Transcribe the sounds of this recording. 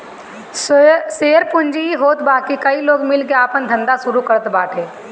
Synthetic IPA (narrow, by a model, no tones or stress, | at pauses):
seːəɾpʊnd͡ʒiiɦoːt̪baːkikɐiloːɡmɪlkeaːpənd̪ʱə̃nd̪asʊɾukəɾət̪baːʈʰeː